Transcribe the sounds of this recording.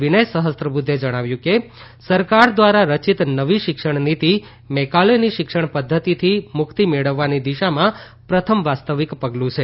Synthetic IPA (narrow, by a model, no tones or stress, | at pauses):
ʋinəjsəɦəst̪ɾəbud̪ʱːed͡ʒəɽ̃aʋjũke | səɾkaɾd̪ʋaɾaɾət͡ʃit̪nəʋiʃɪkʃəɳnit̪i | mɛkaleniʃɪkʂəɳ̃pəd̪ʱːət̪it̪ʰimʊkt̪imeɭəʋːanid̪iʃamã | pɾət̪ʰəmʋast̪əʋikpəɡlũt͡ʃʰe